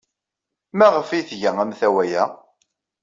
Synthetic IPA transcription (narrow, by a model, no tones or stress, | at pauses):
mæʁəfiθʝæŋæmθæwæjæ